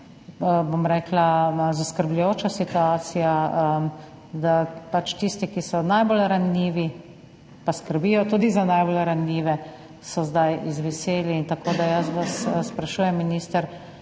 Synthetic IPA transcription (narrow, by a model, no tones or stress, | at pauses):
bomɾɛːklaazaskəɾblujoːt͡ʃasit̪uaːsijaə | d̪apat͡ʃt̪ist̪ikisɔnajbolɾaniːʋi | paskəɾbiːjɔt̪uːd̪izanajbolɾanːiːʋɛ | sɔzd̪ajizʋɛseːliːnt̪akoːd̪ajəsʋasspɾaʃuːjɛmːiniːst̪əɾ